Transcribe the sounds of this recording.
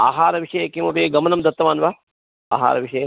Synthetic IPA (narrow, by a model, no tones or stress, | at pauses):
aːɦaːɾɐʋiʂɐjɐkiːmɐpeːɡɐmɐnɐmd̪ɐt̪ːɐʋaːnʋaː | a̰ːɦa̰ːɾɐʋiʂɐjɐ